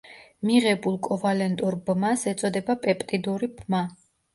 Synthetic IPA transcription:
miʁɛbulˠkʼɔvalɛnt̪ʼuɾbmasɛt̪sʼɔd̪ɛbapʼɛpʼt̪ʼid̪uɾibma

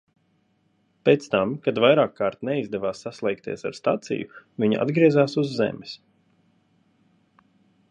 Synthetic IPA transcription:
pet̪st̪amkad̪vajɾaːkːaːɾt̪nɛizd̪ɛvaːsːaslˠɛjkt̪ḭɛsa̰ɾst̪at̪sḭjʊvʲiɲʔa̰d̪ɡɾiɛzaːsuzːɛ̰mɛs

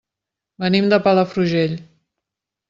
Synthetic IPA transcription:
bənimd̪əpaləfɾuʒeʎ

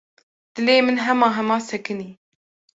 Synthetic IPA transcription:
d̪̥ɨleːmɨnɦɛmɑːɦɛmɑːsɛkɨniː

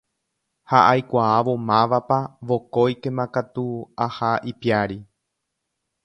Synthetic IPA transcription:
haʔajkʷaaʋo̞mãʋapaʋo̞ko̞jkẽ̞mãkat̪uahaʔipiaɾi

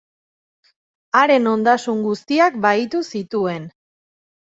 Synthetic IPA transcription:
aɾe̞no̞nd̪asuŋɡust̪iakbajt̪usit̪ue̞n

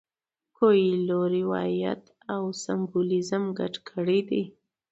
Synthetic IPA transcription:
kojiloɾiwɑ̰ja̰t̪ | awsambulɪzəmɡa̰ʈkʰəɽed̪i

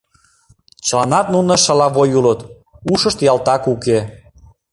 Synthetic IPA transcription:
t͡ɕəlɑnɑt̪̚nunə̆ʃəlɑβojulət̪ | uʃəʃt̪jɑlt̪ɑkuke

